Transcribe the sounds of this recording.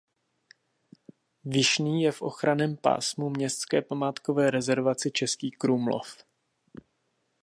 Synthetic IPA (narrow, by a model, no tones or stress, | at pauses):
vɪʃniːjɛfʔo̞̰xɾanɛːmpa̰ːsmumɲɛst̪t͡skɛːpamaːt̪kovɛːɾɛzɛɾvat͡sɪt͡ʃɛskiːkɾuːmlo̰f